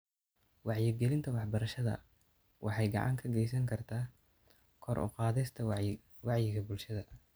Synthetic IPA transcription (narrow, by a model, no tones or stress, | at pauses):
wɑʕjɪɡɛlɪnt̪ʰɐwɑħbɐɾɐʃɐðɐ̰ | wʔɑ̰ħɑjɡɑ̰ʕɑ̰ŋkʰɐɡɛjsɐŋkʰɐrt̪ʰaː | kʰɔrʔʊ̰qɑːðɛst̪ʰɐ | wɑʕjɪɣɐbʊlʃɐðɐ